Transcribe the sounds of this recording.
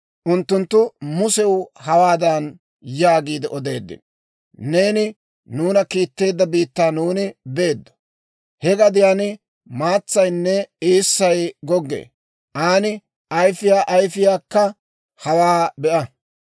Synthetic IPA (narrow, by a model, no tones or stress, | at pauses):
ʔʊnt̪ːʊnt̪ːʊmʊsɛwhɐwaːd̪ɐn | jaːɡiːd̪ɛʔɔd̪e̞̰ːd̪ːɪ̰n | ne̞ːnɪ | nuːnɐkiːt̪ːe̞ːd̪ːɐbiːt̪ːaːnuːnɪbe̞ːd̪ːɔ̥ | hɛɡɐd̪ɪjaːnɪ | maːt͡sːɐjnːɛeːsːɐjɡɔɡːḛː | ʔaːnɪ | ʔɐjfɪjaːʔɐjfɪjaːkːɐ | hɐwaːbɛʔɐ